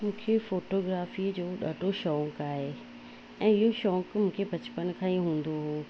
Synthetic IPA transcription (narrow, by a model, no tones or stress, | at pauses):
mũːkʰefoːʈoːɡɾaːfid͡ʑoːɗaːɖʱoʃɔːŋkaːɦeː | ɛ̃ːɪɦoʃɔ̃ːŋkmũːkʰebʱɐt͡ɕpənkʰãːĩɦũːn̆d̪oɦoː